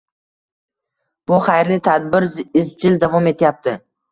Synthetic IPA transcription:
b̥ʊχajɾlɪt̪ʰad̪̚bɪɾɪzd͡ʒɪld̪avɒme̞t̪ʰɪjap̚t̪ʰɪ

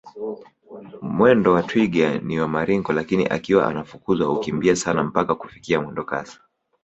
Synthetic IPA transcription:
mwɛndɔwatwiɡaniwamaɾiŋɡɔlakinḭʔa̰kiwaʔa̰nafukuzwahukimbiasanam̩pakakufikiamwɛndɔka̰sḁ

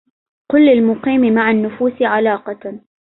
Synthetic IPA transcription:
qʊlːɪlmʊqiːmɪmaʕanːʊfuːsɪʕalɑːqɑ

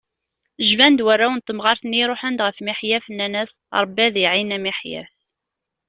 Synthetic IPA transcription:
ʒvænd̪wærːawənt̪ːəmʁɑɾθənːiɾˤoħənd̪ʁəfmiħjæfənːænæs | ɾˤəbːæðiʕinæmiħjæ̰

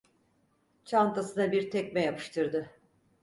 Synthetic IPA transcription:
t͡ʃʰant̪ʰasɯd̪abiɾt̪ʰɛcʲmɛjapʰɯ̥ʃt̪ʰɯɾd̪ɯ

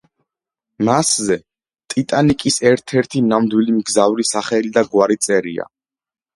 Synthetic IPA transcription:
maszɛ | t̪ʼit̪ʼanikʼisɛɾt̪ʰɛɾt̪ʰinamd̪wilimɡzavɾisaχɛlid̪aɡwaɾit̪sʼɛɾḭa̰

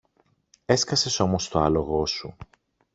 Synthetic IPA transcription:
e̞skɐse̞so̞mo̞st̪o̞ɐlo̞ɣo̞su

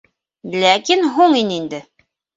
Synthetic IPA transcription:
lækinɦuɴinind̪ɘ

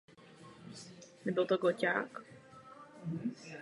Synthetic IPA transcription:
nɛbɪlt̪oɡocaːk

